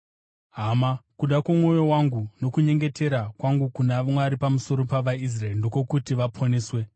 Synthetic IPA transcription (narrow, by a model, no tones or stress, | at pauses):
ɦamakuɗakwamo̞jo̞waŋɡuno̞kuɲe̞ŋɡe̞tʰe̞ɾakwaŋɡukunamwaɾipamuso̞ɾo̞paʋais̬raerndo̞ko̞kutiʋapʰoneːswe̞